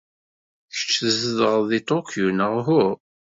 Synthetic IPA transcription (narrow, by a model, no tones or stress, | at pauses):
çə̥t͡ʃːəzəðəʁˤðit̪ˤokʰjunəʁɦʊɾ